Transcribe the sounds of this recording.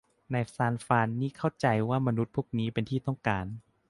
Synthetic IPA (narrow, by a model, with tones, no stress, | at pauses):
na˧jsaː˧˥nfaː˧nːiː˥˩kʰa˥˩wt͡ɕa˧jwaː˥˩ma˧nu˦t̪̚pʰuː˥˩ək̚niː˦˥pe˧nt̪ʰiː˥˩t̪ɔ˥˩ŋkaː˧n